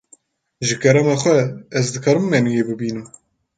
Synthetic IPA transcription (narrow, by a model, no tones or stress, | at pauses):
ʒɨkʰɛɾɛmɑːxʷɛɛzd̪ɨkʰɑːɾɨmːɛnujeːbɨbiːnɨm